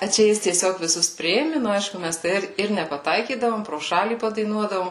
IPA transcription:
ɐ ˈt͡ʃʲɛ ˈjɪs tʲiɛˈsʲoːk ʋʲɪˈsʊs ˈpʲrʲɪeːmʲɪ nʊ ɐɪʃkʊ ˈmʲæs tɐɪ ˈɪr ɪr nʲɛpɐˈtɐɪkʲiːdɐʋoːm proː ˈʃɑːlʲiː pɐdɐɪˈnuɔdɐʋoːm

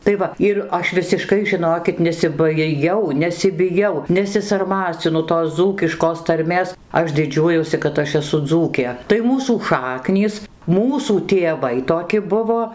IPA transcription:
tɐɪ ˈʋɐ ɪr ˈɐʃ ʋʲɪsʲɪˈʃkɐɪ ʒʲɪˈnoːkʲɪt nʲɛsʲɪbɐɪˈjɛʊ nʲɛsʲɪbʲɪˈjɛʊ nʲɛsʲɪsɐrˈmɑːt͡sʲɪnʊ toːs ˈd͡zuːkʲɪʃkoːs tɐrʲˈmʲeːs ˈɐʃ dʲɪˈd͡ʒʲuɔjuɔsʲɪ kɐt ˈɐʃ ɛˈsʊ ˈd͡zuːkʲeː tɐɪ ˈmuːsuː ˈʃɑːknʲiːs ˈmuːsuː tʲeːˈʋɐɪ toːˈkʲɪ ˈbʊʋoː

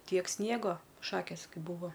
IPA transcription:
ˈtʲiɛk ˈsʲnʲiɛɡoː ˈʃɑːkʲeːs ˈkɐɪ ˈbʊʋoː

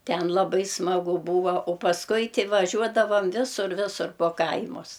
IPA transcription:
ˈtʲɛn lˠɐˈbɐɪ smɐˈɡʊ ˈbuːʋɐ oː pɐsˈkʊɪ tʲɪ ʋɐˈʒʲuɔdɐʋɐm ˈʋʲɪsʊr ˈʋʲɪsʊr poː ˈkɐɪmʊs

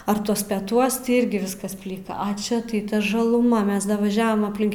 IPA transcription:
ɐr ˈtuɔs pʲɛˈtuɔs tʲɪ ˈɪrʲɡʲɪ ˈʋʲɪskɐs ˈpʲlʲɪkɐ ɐ ˈt͡ʃʲɛ tɐɪ ˈtɐ ʒɐˈlˠʊmɐ ˈmʲɛs dɐʋɐˈʒʲæːʋɐm ɐpʲˈlʲɪŋk

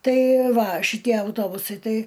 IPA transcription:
ˈtɐɪ ˈʋɐ ʃʲɪˈtʲiɛ ɐʊˈtoːbʊsɐɪ ˈtɐɪ

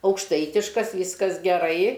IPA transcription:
ɐʊkʃˈtɐɪtʲɪʃkɐs ˈʋʲiːskɐs ɡʲɛˈrɐɪ

